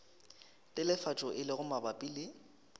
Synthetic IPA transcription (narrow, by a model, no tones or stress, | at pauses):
tʼɪlɪfat͡ʃʼɔʔɪlɪɣʊmabapʼilɪ